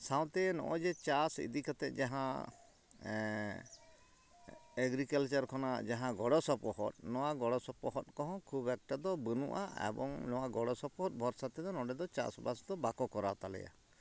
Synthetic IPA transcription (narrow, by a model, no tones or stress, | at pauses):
sãw̃t̪ɛnɔ̰̃ʔɔd͡ʒɛt͡ʃasḭd̪ikat̪ɛt̪̚ˀd͡ʒaɦã | ɛɡɾikalt͡ʃaɾkʰɔnad͡ʒaɦãɡɔɽɔsɔpɔhɔ̰t̪̚nɔwaɡɔɽɔsɔpɔɦɔt̪̚kɔɦɔ̃kʰubɛk̚ʈad̪ɔbənṵʔa̰ɛ̰bɔ̰ŋnɔwaɡɔɽɔsɔpɔɦɔt̪̚bʱɔɾsat̪ɛd̪ɔnɔɖɛd̪ɔt͡ʃa̰sbasd̪ɔbakɔkɔɾat̪alɛ̰ja̰